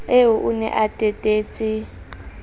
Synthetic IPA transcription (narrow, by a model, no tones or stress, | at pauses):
eɦuʔunɛ̰ʔatʼɛtʼeːt͡sʼi